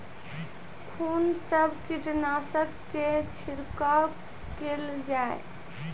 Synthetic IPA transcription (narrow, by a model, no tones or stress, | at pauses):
kʰuːnsəbʱkiʈnasəkːet͡ʃʰiɾka | keld͡ʒaḛ